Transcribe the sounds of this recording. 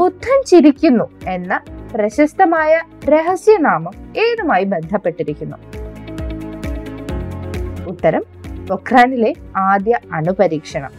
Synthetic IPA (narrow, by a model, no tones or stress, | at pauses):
ut̪ʰːɐmt͡ɕiɾikʲːunːue̞nːɐprɐɕɐst̪ɐmaːjɐ | ɾe̞ɦɐsjɐnaːmɨme̞ːðumaːjibe̞nd̪ʱɐpːe̞ʈːiɾikʲːunːu | ut̪ːɐɾɐm | ʋokraːnile̞aːd̪jɐɐɳupɐɾiːkʂɐɳɐ̰m